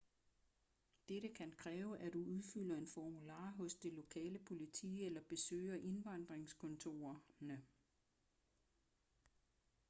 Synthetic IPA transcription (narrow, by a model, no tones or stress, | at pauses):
d̥eɾəkʰænkʰʁɛːʊʔæd̥uuðˠfyl̰ɐe̝nfɒmulɑ̰̈ːɦɔ̽sd̥e̝lo̝kʰɛ̰ːləpʰo̝lit͡sʰḭːelɐb̥e̝sø̰ːɪɐʔe̝nʋɑ̈n̰d̥ʁeŋskʰɔ̽nt͡sʰo̝̰ːɐnə